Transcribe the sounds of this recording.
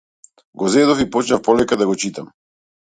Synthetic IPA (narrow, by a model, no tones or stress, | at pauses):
ɡɔzɛd̪ɔfipɔt͡ʃnafpɔlɛkad̪aɡɔt͡ʃit̪am